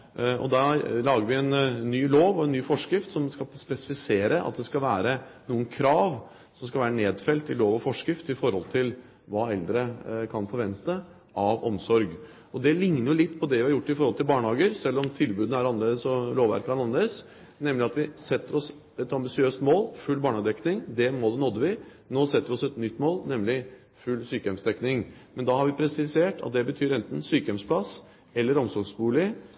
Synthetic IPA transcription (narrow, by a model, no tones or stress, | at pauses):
ɔ̰d̪ɑlɑːɡəɾʋɪɛnːyːloːʋɔɛnːyːfɔʂkɾɪft̪sɔmskɑspɛsɪ̥fɪseːɾəʔɑ̰t̪̚d̪ɛskɑlʋæːɾənuːənkʰɾɑːʋ | sɔmskɑlʋæːɾəneːd̪fɛlt̪ɪloːʋɔfɔʂkɾɪft̪ɪfɔɾhɔlt̪ʰɪl | ʋɑːɛld̪ɾəkʰɑnfɔɾʋɛnt̪ə | ɑʋɔmsɔɾɡ | ɔd̪ɛlɪŋnəɾjʊlɪt̪ːpʰɔd̪ɛʋɪhɑɾjʊʈːɪfɔɾhɔlt̪ɪlbɑːɳhɑːɡəɾsɛlːɔmt̪ʰɪlbʉːd̪n̩æɾɑnleːd̪əsɔloːʋæ̰ɾkʰɑnɑnleːd̪əs | nɛmlɪɑt̪ʋɪsɛt̪ːəɾɔs | ɛt̪ɑmbɪsɪøːst̪moːlfʉlːbɑːɳɑːɡəd̪ɛknɪŋd̪ɛmɔd̪ɛnɔd̪ːəʋɪ | noːsɛt̪ːəʋɪɔsɛt̪nʏt̪ːmoːlnɛmlɪ | fʉlːsyːkəɛmsd̪ɛknɪŋmɛnd̪ɑːhɑɾʋɪpʰɾɛsɪseːʈɑ̰t̪̚d̪ɛbət̪ʰyːɾɛnt̪n̩syːkəjɛmspʰlɑs | ɛlːəɾɔmsɔɾɡsbuːlɪ